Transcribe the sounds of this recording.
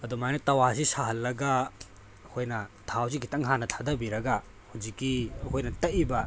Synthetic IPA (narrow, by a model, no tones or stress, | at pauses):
ɐdumajnɐtɐwasisaɦɐlːɐɡɐ | ɐkʰojnɐtʰaws̬iɡitɐŋɦanːɐtʰadɐbiɾɐɡɐ | hud͡ʒikːiɐkʰojnɐtɐʔibɐ